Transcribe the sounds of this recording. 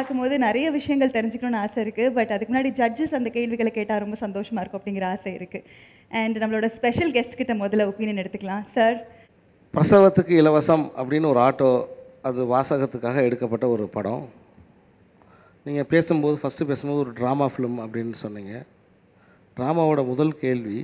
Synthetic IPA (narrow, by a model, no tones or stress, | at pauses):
aːkːɯmpoːðɯnɪɾɐjɐʋɪʂɐjɐŋɡɐɭt̪ɛɾɪɲd͡ʒɪkːɾʊːnːɐaːsɐɪɾɯkːɯbɐʈːɐðɯkːmnːaːɽid͡ʒɐd͡ʒɯsɐnd̪ɐkeːɭʋɪɣɐɭkːeːʈːaːɾɔmbɐsɐnd̪oːʂɐmaːɪɾɯkʊ̃ɐpːɐɽɪŋɡɪɾɐaːsɐɪ̰ɾɯkːɯ | ʔɛɳɖnɐmːɐɭoːɽɐspɛʂɐlɡɛsʈkɪʈːɐmɔðɐlɐʊpːiːnɐnɛɽɯt̪ːɯkːɐɭãːsɐːɾ | pɾɐsɐʋɐt̪ːɯkːɯɪlɐʋɐsɐmɐ̰pːɐɽɪnːɯɔɾɯaːʈːoː | ɐðɯʋaːsaːɣɐt̪ːɯkːaːɣɐɛɽɯkːɐpːɐʈːɐɔɾɯpɐɽɐ̰̃ | niːŋɡɐpeːsɯmpoːðɯfɐsʈɯpeːsɯmboːðɯɔɾɯɖɾaːmaːfɪlmɐpːɐɽɪnːɯsɔnːiːŋɡɐ | ɖɾaːmaːʋoːɽɐmʊðɐlkeːɭʋi